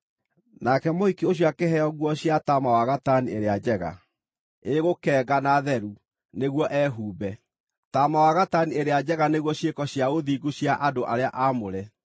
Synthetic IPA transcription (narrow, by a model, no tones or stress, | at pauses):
nakɛmohikioɕ̬iakeɦɛɔɣwɔɕjatamawaɣatanieɾead͡ʑɛɣa̰ | eɣokɛːɡanaðɛɾu | neɣwɔʔɛːɦuːbɛ | tamawaɣatanieɾead͡ʑɛɣaneɣwɔɕekɔɕjaɣoðiɡuɕjaʔadoʔaɾeaʔamoɾɛ